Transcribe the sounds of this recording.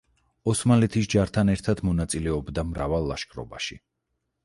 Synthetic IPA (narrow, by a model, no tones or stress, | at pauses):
ɔsmalɛt̪ʰisd͡ʒaɾt̪ʰanɛɾt̪ʰad̪mɔnat̪sʼilɛɔbd̪amɾavalˠːa̰ʃkʼɾɔ̰ba̰ʃḭ